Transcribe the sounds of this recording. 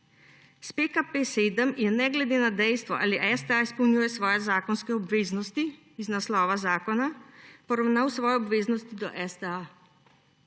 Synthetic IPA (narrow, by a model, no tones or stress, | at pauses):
spekapeseːd̪əmjɛnɛɡlɛd̪eːnad̪ɛjst̪ʋɔʔa̰ːliʔɛzd̪ɛaispɔwnʲjuːjɛsʋɔːjɛzaːkɔnskɛɔbʋeːznɔst̪i | iznaslɔːʋazaːkɔnapɔɾawnawsʋɔːjɛɔbʋeːznɔst̪id̪ɔ̰ʔɛzd̪ɛa